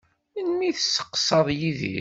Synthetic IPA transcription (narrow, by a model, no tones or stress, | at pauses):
nmiθəsːə̥qːsəðˤjiðḭ